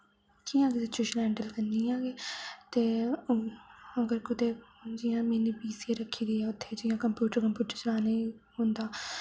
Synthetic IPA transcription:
kiːãːɡɪd̪et͡ʃɾɪʃəlɛ̃ːɳɖəlkənd̪iːãːɡeːt̪eː | əɡəɾkʊt̪eːd͡ʒɪjãːmẽːniːbiːsiːeːɾəkʰːiːɡəiaːʊt̪ʰːeːd͡ʒɪːjãːkəmpjuːʈəɾkəmpjuːʈəɾt͡ʃəlaːneːhʊ̃nd̪aː

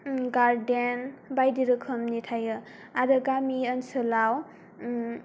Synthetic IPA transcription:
ɡaɾdenbajdiɾɯkʰɯmnitʰajɯ | aɾɯɡamiənsɯlaw

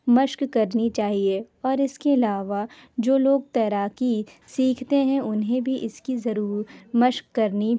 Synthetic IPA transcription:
mɐʃkːɐɾnit͡ʃaːɦie | ɔːɾɪskeɐlaːʋad͡ʒoːloːɡ̚t̪ɛːɾaːki | siːkʰt̪eɦɛ̃ʊnɦẽbʱiʔɪskizɐɾuːɾmɐʃkːɐɾni

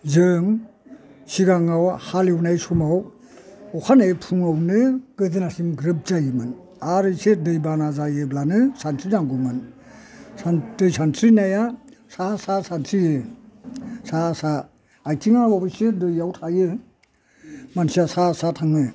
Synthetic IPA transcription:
zɯŋ | siɡaŋawhalewnajsumaw | ɔkʰanajpʰuŋawnɯkɯzɯnasimɡɾɯp̚d͡ʒajɯmɯn | aɾɯsedɯjbanazajɯblanɯsantʰɾinaŋɡumɯn | sandɯjsantʰɾinajasasasantʰɾiɯ | sasa | ajtʰiŋawabɯsedɯjawtʰajɯ | mansiasasatʰaŋɯ

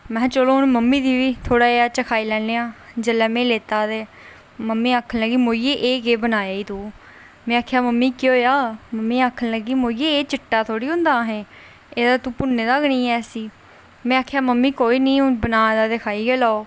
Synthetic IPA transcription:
mɛ̃ːt͡ʃəloːɦʊnməmːĩːd̪iːʋiːt̪ʰoːɽaːeːaːt͡ʃəkʰaːiːlɛːeːãːd͡ʒəlɛːmẽːleːt̪aːt̪eː | məmːĩːaːkʰəlləɡiːmoːijeʔeːkeːbənaːjaːiːt̪uː | mɛ̃ːaːkʰjaːməmːiːkːoːjaːməmːiːaːkʰəlləɡiːmoːieːeːt͡ʃɪʈːaːt̪ʰoːɽiːɦʊ̃nd̪aːɦẽː | eːd̪aːt̪ũːpʊnːẽːd̪aːɡənĩːɛːsiː | mɛ̃ːaːkʰjaːməmːiːkoːiːnĩːbənaːd̪aːt̪ekʰaːiːɡeːlaːoː

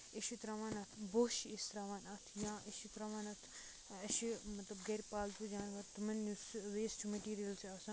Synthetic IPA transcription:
iʃit̪ɾɐʋaːnɐt̪ʰboːʃiist̪ɾaːʋaːnɐt̪ʰjãːʔɐʃit̪ɾɐʋaːnɐt̪ʰ | ɐʃimɐt̪lɐbɡɐɾʲpaːlt̪ud͡ʒaːnʋɐɾt̪ɐmɐnːusʋeːsʈʰumɐʈiːɾijɐlsaːsɐ̃

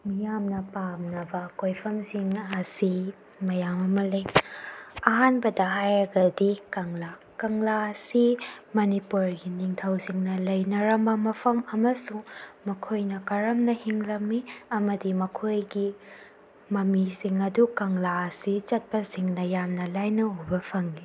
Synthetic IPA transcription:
mijamnɐpamnɐbɐkojpʰɐmsiŋɐsi | mɐjamɐmɐlɐj | ɐɦanbɐdɐɦajɾɐɡɐdikɐŋla | kɐŋlasimɐnipuɾɡiniŋtʰɐwsiŋnɐlɐjnɐɾɐmbɐmɐpʰɐmɐmɐsuŋmɐkʰojnɐkɐɾɐmnɐhiŋlɐmːiɐmɐdimɐkʰojɡi | mɐmisiŋɐdukɐŋlaɐsit͡ʃɐt̚pɐsiŋnɐjamnɐlajnɐubɐpʰɐŋːi

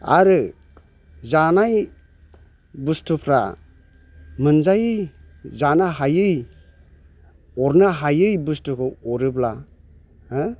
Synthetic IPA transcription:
a̰ɾɯ | zanaj | bustupʰɾa̰ | mɯnzajɯ | zanaɦajɯj | ɔɾnɯɦajɯjbustukʰɯɔɾɯbla

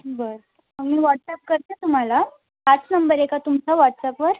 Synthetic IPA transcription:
bəɾ | amiːʋaʈsɛp̚kəɾt̪et̪um̤ala | at͡snəmbəɾekat̪umt͡ɕaʋaʈsapʋəɾ

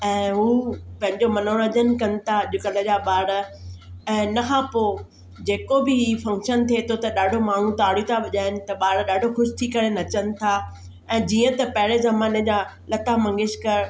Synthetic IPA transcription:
ɛ̃ːɦuːpɐ̃ɦɪ̃ɲd͡ʑomɐnoɽ̃ɐ̃d͡ʑənɪ̆kɐnɪ̆t̪ʰaʄʊkəlɐʄaɓaːɽ | ɛ̃ːnɐkʰãːpoː | d͡ʑeːkobɪɦifɐ̃ŋkʃənt̪ʰiet̪ʰot̪ɐɗaːɖʱomaːɳ̤ũt̪aːɽijut̪ʰaʋɐʄaːɪnɪ̆t̪ɐɓaːɽɗaːɖʱoxʊʃɪ̥t̪ʰikɐɾenɐt͡ɕənɪ̆t̪ʰaː | ɛ̃ːd͡ʑiːə̃t̪ɐpɐɦɪɾezɐmaːned͡ʑa | lɐt̪amɐ̃ŋɡɪʃkɐɾ

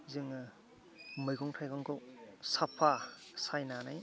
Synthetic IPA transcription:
zɯŋ | mɯjɡɔŋtʰajɡaŋkɔwsapʰasajnanaj

